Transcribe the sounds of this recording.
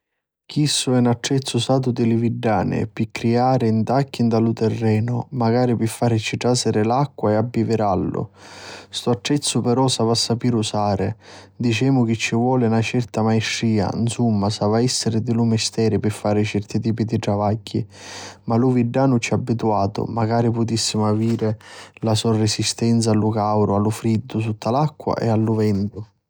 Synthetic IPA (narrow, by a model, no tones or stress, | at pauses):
k̟isːʊɛnaʈːɾɛt̪sːʊsaːt̪̬ʊd̪ɪlɪviɖːaːnɪ̰pɪkːɾiaːɾɪint̪akːind̪alʊt̪ɛrːɛːnʊmaɡaːɾipɪfːaːɾɪt͡ʃiʈɾasɪɾɪlakːwaɛabːivɪɾalːʊ̰st̪ʊaʈːɾɛt̪sːʊpɛɾɔsavasːapiːɾusaːɾɪ | d̪it͡ʃɛːmʊk̟ɪt͡ʃːivwɔːlɪnat͡ʃɛrt̪amajʃːiːa̰nsumːasavaɛsːɪɾɪd̪ɪlumɪst̪ɛːɾɪpɪfːaːɾɪt͡ʃɛrt̪it̪̬iːpid̪iʈ̪ɾavaɟːḭmaluviɖːaːnʊt͡ʃiabːit̪uaːt̪ʊ̰maɡaːɾipʊt̪isːimʊaviːɾɪlasɔrɪsist̪ɛnt̪salːʊkawɾʔʊalːʊfɾid̪ːʊt̪ut̪ːalakːwa̰ʔɛ̰alːʊvɛnd̪ʊ